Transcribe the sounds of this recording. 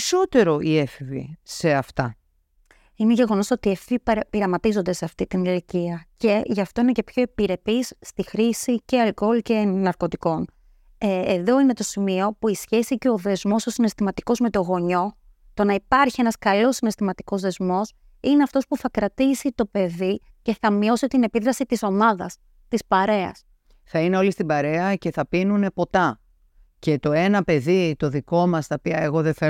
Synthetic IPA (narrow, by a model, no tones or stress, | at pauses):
so̞t̪e̞ɾo̞iefivḭse̞ɐft̪ɐ̰ | ineʝe̞ɣo̞no̞so̞t̪iefippiɾɐmɐt̪izo̞nd̪e̞seɐft̪it̪iniliciɐce̞ʝɐft̪o̞inece̞pço̞ipiɾe̞pisːt̪ixɾisiceɐlko̞lce̞nɐɾko̞t̪iko̞n | eːðo̞ine̞t̪o̞simio̞puisçe̞sice̞o̞ðe̞zmo̞so̞sine̞st̪imɐt̪iko̞zme̞t̪o̞ɣo̞ɲo̞ | t̪o̞nɐipɐɾçie̞nɐskɐlo̞sine̞st̪imɐt̪i̥ko̞zðe̞zmo̞s | ine̞ɐft̪o̞spuθɐkɾɐt̪isit̪o̞pe̞ði | ce̞θɐmio̞sit̪ine̞piðɾɐsit̪iso̞mɐðɐs | t̪ispɐɾe̞ɐ̰s | θɐine̞o̞list̪ibɐɾe̞ɐce̞θɐpinune̞po̞t̪ɐ | ce̞t̪o̞e̞nɐpe̞ðit̪o̞ðiko̞mɐst̪ɐopiɐeɣo̞ðeθe